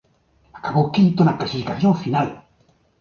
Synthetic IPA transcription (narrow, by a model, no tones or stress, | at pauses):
akaɡokʲːint̪ːonat̪ːaɕiikaofʲinaɯ